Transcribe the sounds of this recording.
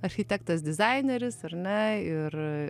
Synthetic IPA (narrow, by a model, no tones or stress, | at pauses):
ɐɾʲxʲɪt̪ʲɛkt̪ɐsd̪ʲɪzɐɪnʲeɾʲɪsɐrnʲɛɪr